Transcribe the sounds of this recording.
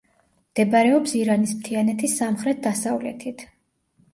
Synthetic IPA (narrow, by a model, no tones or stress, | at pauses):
md̪̥ɛbaɾɛɔpsiɾanismt̪ʰianɛt̪ʰisːamχɾɛt̪̚d̪asavlɛ̰t̪ʰit̪ʰ